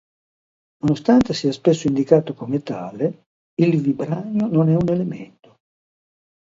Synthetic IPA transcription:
nonost̪ant̪esiaspesːoʊind̪ikaːt̪okomet̪a̰ːle | ilvibɾaɲononɛunelemḛnt̪o̥

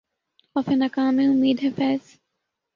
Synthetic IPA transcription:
ɔfenɐkaːmeʊmiːd̪ɦɐfɛːz

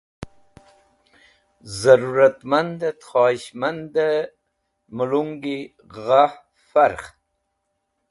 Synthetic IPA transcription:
zaɾuɾat̪mand̪at̪χɑːiɕmand̪ə | muluŋɡi | ʁah | faɾχ

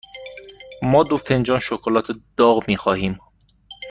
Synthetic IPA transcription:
mɒːd̪ofend͡ʒɒːnʃokʰolɒːt̪ʰed̪̥ɒːɣmiːxɒːhiːm

